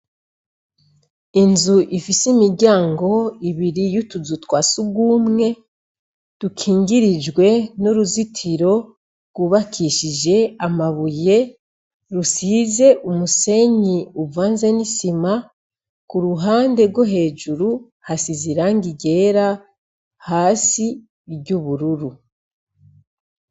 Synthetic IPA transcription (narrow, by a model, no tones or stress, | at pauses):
inzuʔifisimiɾɟaːŋɡo̞iβiɾijutuzutwaːsuɡwuːmŋe̞ | d̥ukʰiːŋɡiɾid͡ʒɡwe̞nuɾuzitʰiɾo̞ | ɾɡ̥uβakʰiʃid͡ʒe̞amaβuje̞ | ɾusiːze̞ʔumuse̞ɲiuvaːnze̞nisima | kuɾuɦaːnde̞ɾɡwo̞ɦe̞ːʒuɾu | hasiziɾaŋɡiɟe̞ːɾa | haːsi | ɟuβuɾuɾu